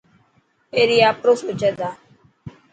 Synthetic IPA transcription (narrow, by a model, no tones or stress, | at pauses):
eːɾiːaːpɾoːsoːd͡ʒɛd̪aː